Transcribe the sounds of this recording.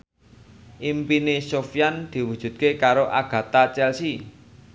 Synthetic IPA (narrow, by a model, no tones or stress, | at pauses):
ʔimpinesofjand̪̥i̤wud̥ʒ̥ṳt̪̚kekaɾoʔaɡ̥ä̤t̪at͡ʃɛlsi